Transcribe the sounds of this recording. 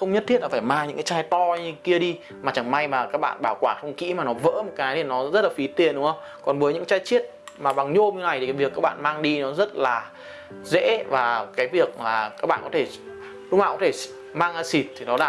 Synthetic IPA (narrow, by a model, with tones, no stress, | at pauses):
xə˧wŋ͡mɲə˦˥t̪ʰi˦˥t̚lːfaː˧˩jmaː˧ŋɲɨ̰˧˥kaː˨˦t͡ɕaː˧jt̪ɔ˧ɲɨ˧ki˧əɗi˧ | maː˨˩t͡ɕa˨˧˩ŋma˧jmaː˨˩kaː˦˥k̚ɓa̰ː˧˨nɓaː˧˩wkwaː˧˩xə˧wŋ͡mkḭ˧˥maː˨˩nɔ˨˦və̰ː˧˥m˨˩t̚kaː˨˦jt̪i˨˩nɔ˨˦zə˦˥t̚laː˨˩fi˨˦t̪i˨˩ənɗʊ˨˦hə˧wŋ͡m | kɔ˨˩nvəː˨˦jɲɨ̰˧˥ŋt͡ɕaː˧jt͡ɕi˦˥ət̚ | maː˨˩ɓa˨˩ŋɲo˧mɲɨ˧na˨˩j̪ʰi˨˩˨vi˨˩əkːaː˦˥k̚ɓa̰ː˧˨nmaː˧ŋɗi˧nɔ˨˦zə˦˥t̚laː˨˩ | zḛ˧˥vaː˨˩kaː˨˦jvi˨˩ək̚laː˨˩kaː˦˥k̚ɓa̰ː˧˨kɔ˨˦t̪ʰe˧˩ | ɗʊ˨˦ŋ͡maː˧˨˩kɔ˨˦t̪ʰe˧˩ | maː˧ŋʔaː˧si˨˩t̚t̪ʰi˨˩nɔ˨˦ɗaː˧˩